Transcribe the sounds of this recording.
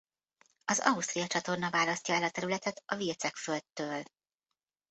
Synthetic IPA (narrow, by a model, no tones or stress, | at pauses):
ɒzɒ̰ust̪rijɒt͡ʃɒt̪o̞rnɒvaːlɒst̪ɒɛlɒt̪ɛɾylɛt̪ɛt̪ɒvirt̪sɛkfølt̪ːøːl